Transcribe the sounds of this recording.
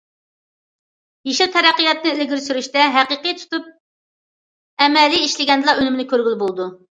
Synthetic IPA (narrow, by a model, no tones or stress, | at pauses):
jeʃit̪ʰɛɾæqːijɑt̪nɨelɡʲyɾsyɾyʃt̪ɛɦæqəqɨjt̪ʰu̥t̪up̚ | ɛmɛlːiiʃlɪɡʲɛnd̪ɨlˠɑønymɪnɪkʲʰøɾɡʲylˠbolˠɨd̪u